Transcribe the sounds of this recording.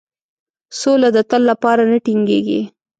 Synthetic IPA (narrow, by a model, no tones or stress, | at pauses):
solad̪ət̪əlːapɑɾanəʈiŋɡeɡḭ